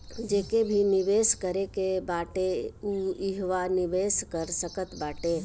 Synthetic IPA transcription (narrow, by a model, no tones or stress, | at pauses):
d͡ʒeːkebʱiniʋeskəɾekebaʈeuiɦʋaniʋeskəɾsəkət̪baːʈe